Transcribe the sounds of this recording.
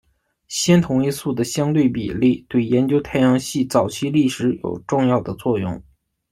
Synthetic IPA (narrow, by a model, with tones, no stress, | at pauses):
ɕjɛ˥nt̪ʰʊ˧˥ŋi˥su˥˩d̪ə˩ɕjɑ˥ŋt̪̬we˥˩ɪpḭ˨˩li˥˩t̪we˥˩ɪjɛ˧˥nt͡ɕjo˥ʊt̪ʰa˥˧ɪjɑ˥˧ŋɕi˥˩t͡sɑ˨˩ʊt͡ɕʰi˥˧li˥˩ʂɻ̩˧˥jo̰˨˩ʊʈ͡ʂʊ˥˧ŋjɑ˥˩ʊd̪ə˩t͡swɔ˥˧jʊ̰˥˩ŋ